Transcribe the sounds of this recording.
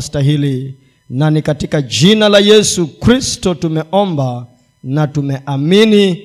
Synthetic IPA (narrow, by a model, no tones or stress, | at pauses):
staɦili | nanikatikad͡ʒinalajɛsukɾistɔtumɛʔɔmba | natumɛʔamini